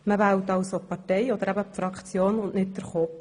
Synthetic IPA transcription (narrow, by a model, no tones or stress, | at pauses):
məvæwtɑwsopɑtɛjɔd̪əɾæbəpfɾɑkχt͡sjoːnʊnʔnɪt̚d̪əɾχɔp